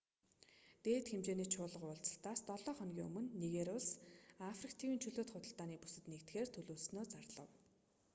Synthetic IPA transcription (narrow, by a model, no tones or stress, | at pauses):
t̪eːt̪xemt͡ɕeːniːt͡ɕʰʊːɮə̆qʊːɮt͡sə̥̆ɬt̪aːst̪ɔɮɔːχɔnɡʲiːŋɵ̰mɵ̆nːiɣeɾʊɮsafrik̚t̪ʰiwiːnt͡ɕʰɵɮoːt̪χʊt̪ə̆ɬt̪aːniːpusɘ̆t̪nekt̪xeːrt̪ʰɵɮoːɮsnoːt͡sarɮə̰̆w